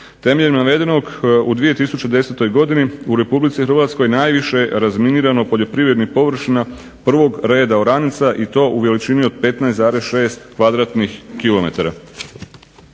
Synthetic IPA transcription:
t̪e̞meʎemnaʋe̞d̪e̞no̞ɡud̪ʋije̞t̪isut͡ɕed̪e̞se̞t̪o̞jɡo̞d̪iniuɾe̞publit̪sixr̩ʋat̪skojenaːjʋiʃeɾazminiːɾano̞po̞ʎo̞pɾiːʋɾʲje̞d̪nixpo̞ʋr̩ʃina | pr̩ʋo̞ɡɾe̞ːd̪aoɾanit̪saʔit̪o̞ːʔuʋe̞lit͡ʃinio̞d̪̚pe̞t̪naesaːɾe̞sʃe̞ːst̪kʋad̪ɾat̪nixkilo̞me̞̰t̪aɾa

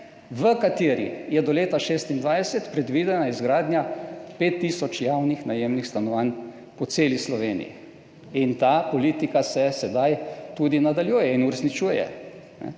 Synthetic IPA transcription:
ʋəkat̪eːɾḭjɛd̪ɔleːt̪aʃeːst̪ind̪ʋajsɛt̪pɾɛd̪ʋiːd̪ɛnaizɡɾaːd̪nɲjapeːt̪ːiːsɔt͡ʃjawnixnajeːmnixst̪anɔʋan | pɔt̪seːlislɔʋeːnḭjḭ | int̪aːpɔliːt̪ikasɛsɛd̪ajt̪uːd̪inad̪aljuːjɛinuɾɛsnit͡ʃuːjɛ̰ | nɛ̰

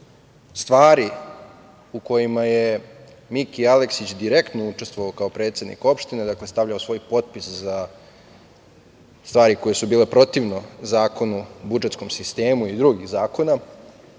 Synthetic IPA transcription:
st̪ʋaːɾi | uko̞jimaje̞ | mikialeksit͡ɕd̪iɾe̞kt̪nouʈ͡ʂe̞st̪vʋoaokaopɾe̞ːt̪se̞d̪nḭko̞pʃt̪ine̞d̪akle̞st̪aʋʎaosʋo̞jpo̞t̪̚pisza | st̪vaːɾiko̞jesubiːle̞pɾo̞t̪iʋno̞zaːko̞nubud͡ʒe̞t̪sko̞msist̪e̞ːmuid̪ɾuɡiɣzaːko̞na

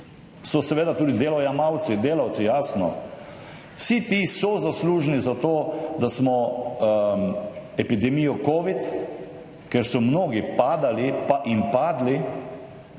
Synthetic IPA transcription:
sɔsɛʋeːd̪at̪uːd̪id̪eːlɔjamawt̪sid̪eːlawt̪sijaːsnɔ̰ | wsit̪isɔzasluːʒnizat̪oːd̪asmɔ | ɛpid̪ɛmiːjɔkoːʋit̪ | kɛɾsɔmnoːɡipaːd̪alipaʔinpaːd̪li

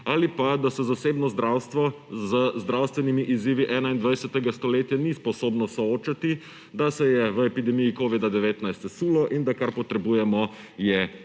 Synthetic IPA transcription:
aːlipad̪asɛzaseːbnɔzd̪ɾaːwst̪ʋɔ | zəzd̪ɾawst̪ʋɛnimiʔiziːʋiʔɛːnaind̪ʋajsɛt̪ɛɡast̪ɔleːt̪janispɔsoːbnɔsɔoːt͡ʃat̪i | d̪asɛjɛʋəɛpid̪ɛmijikoːʋid̪ad̪ɛʋeːt̪najst̪ɛsuːlɔʔind̪akaɾpɔt̪ɾɛbuːjɛmɔ | jɛ

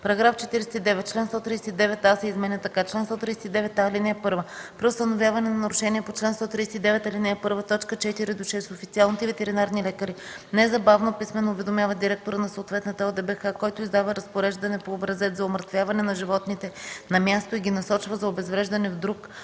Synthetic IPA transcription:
pɐɾɐɡɾaft͡ʃɛt̪iɾɛsɛt̪id̪ɛvɛt̪̚ːt͡ʃlɛnst̪ɔt̪ɾisɛt̪id̪ɛvɛt̪ːasɛizmɛnɛt̪ɐkat͡ʃlɛnst̪ɔt̪ɾijsɛt̪id̪ɛvɛt̪ːalinɛɛpɤɾvəpɾiʊst̪ɐnovʲjavɐnɛnɐnɐɾʊʃɛniɛpot͡ʃlɛnst̪ɔt̪ɾiːsɛt̪id̪ɛvɛt̪ɐlinɛpɤɾvət̪ɔt͡ʃkət͡ʃɛt̪iɾid̪oʃɛst̪ofit̪sʲialˠnit̪ɛvɛt̪ɛɾinaɾnilɛkəɾinɛzɐbavnopismɛnoːvɛd̪omʲjavəd̪iɾɛk̚t̪oɾənɐsoːt̪vɛt̪nət̪əɔlˠd̪ɛbɛxakɔjt̪ʊizd̪avəɾɐspoɾɛʒd̪ɐnɛpoːbɾɐzɛt̪zɐoməɾt̪vʲjavɐnɛnɐʒivɔt̪nit̪ɛnɐmʲjast̪oiɡʲinɐsɔt͡ʃvəzɐobɛzvɾɛʒd̪ɐnɛvd̪ɾuk

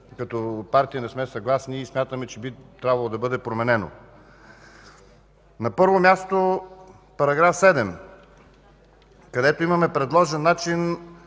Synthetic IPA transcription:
kɐt̪ɔpaɾt̪iənɛsmɛsɐɡlˠasniːsmʲjat̪əmɛt͡ʃɛbit̪ɾʲabvɐlˠod̪ɐbɤd̪ɛpɾomɛnɛno̰ | nɐpɤɾvomʲjast̪o | pɐɾɐɡɾafsɛd̪ɛm | kɐd̪ɛt̪oimɐmɛpɾɛd̪lˠɔʒɛnːat͡ʃin

